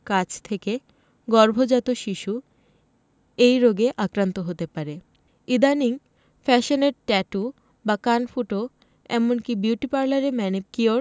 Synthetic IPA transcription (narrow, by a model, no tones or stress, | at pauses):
kat͡ɕʰt̪ʰeke | ɡɔɾbʱod͡ʑat̪oʃiʃu | ejɾoɡeʔakɾant̪oɦot̪epaɾe | id̪aniŋ | fɛʃoneɾʈɛʈu | bakanfuʈo | ɛ̰monkibjuʈipaɾlaɾemɛnib̚kioɾ